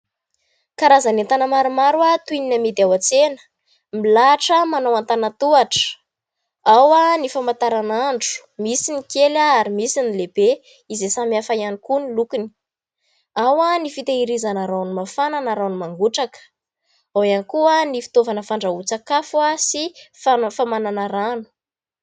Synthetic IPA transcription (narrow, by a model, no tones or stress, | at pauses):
kaɾazaneant̪anəmaɾumaɾwat̪uininamid̪iawat͡senə̥ | milaʈ͡ʂəmanawant̪anat̪uaʈ͡ʂə̥ | awanifamant̪aɾanaɳɖ͡ʐu̥misinikelaaɾimisinilebe | izesamiafaianikunilukuni̥ | awanifit̪eiɾizanaɾawnumafananaɾanumaŋɡuʈ͡ʂakə̥ | awjanikuənifi̥t̪ovanəfaɳɖ͡ʐaut͡sakafuasifafamananaɾanu̥